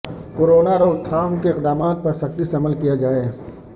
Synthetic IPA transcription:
qoːɾoːnaɾoːɡt̪ʰaːmkeɪqd̪aːmaːt̪̚pɐɾsɐkt̪isɐməlkijad͡ʒaːe

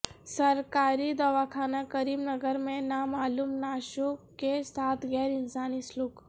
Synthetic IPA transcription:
səɾkaːɾid̪ɔʋakʰaːnakəɾiːbnəɡəɾmẽnamaːlumnaːʃokesaːt̪ʰɡɛːɾɪnsaːnisluk

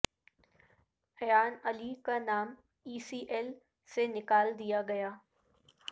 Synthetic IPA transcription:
ɐjaːnɐlikanaːm | iːsiːʔeːl | senɪkaːld̪ijaɡɐjaː

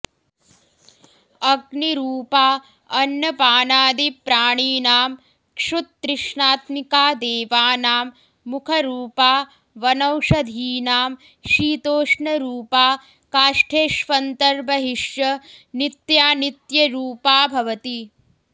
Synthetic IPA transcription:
ɐɡniɾuːpaː | ɐnːɐpaːnaːd̪ipɾaːɳiːnaːm | kʂut̪̚ːɾɪʂɳaːt̪mikaːd̪eːʋaːnaːmː | ukʰɐɾuːpaː | ʋɐnɐwʃɐd̪ʱiːnaːm | ʃiːt̪oːʂɳɐɾuːpaː | kaːʂʈʰeːʃʋɐnt̪ɐɾbɐɦiʃjɐnit̪jaːnit̪jɐɾuːpaːbʱɐʋɐt̪i

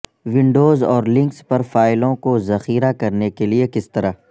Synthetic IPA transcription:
ʋɪ̃ɳɖoːzɔːɾlɪ̃ŋkspɐɾfaːɪlõkozɐxiːɾakɐɾnekeliekɪst̪ɐɾaː

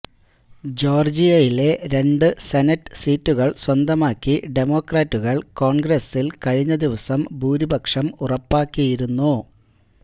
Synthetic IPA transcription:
d͡ʑo̞ːrd͡ʑijɐjile̞ɾe̞ɳɖɨsenɐtːɨ̥siːtːuɣɐɭswɐnd̪ɐmaːkːiɖe̞mo̞ːkraːtːuɣɐɭko̞ːɳɡɾɐsilkɐɻiɲːɐd̪iʋɐsɐmbʱuːɾibʱɐkʂɐmurɐpːaːkːijiɾunːu

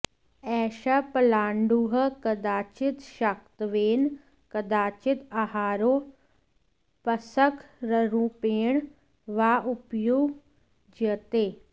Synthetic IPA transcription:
ɛːʃəpəlaːɳɖuɦəkəd̪aːt͡ʃɪt̪ʃək̚t̪ʋeːn | kəd̪aːt͡ʃɪt̪aɦaːɾoː | pəsəkʰɾəɾũːpeːɳ | ʋaːʔʊpjuːɡ | d͡ʒət̪eː

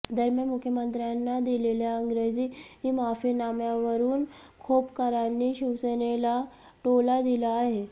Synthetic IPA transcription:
d̪əɾmjəmukʰːjəmənt̪ɾjanːad̪ileljaəŋɡɾed͡ʑiːɦimafinamjaʋəɾuːn | kʰopkəɾanːiːɕiʋsenela | ʈolad̪ilaːɦe

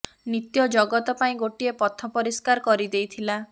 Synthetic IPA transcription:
nit̪jɔd͡ʒɔɡɔt̪ɔpaĩɡoʈiepɔt̪ʰɔpɔɾiskaɾɔkɔɾid̪ejt̪ʰila

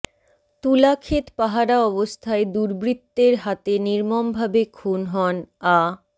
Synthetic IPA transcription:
t̪ulakʰet̪paɦaɾaɔbost̪ʰaed̪uɾbɾit̪ːeɾɦat̪eniɾmombʱabekʰunɦɔna

